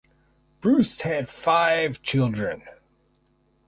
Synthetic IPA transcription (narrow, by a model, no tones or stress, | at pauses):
b̥ɹʉshɨd̥faɪv̥t͡ʃʰɪlˠdɹɨ̃n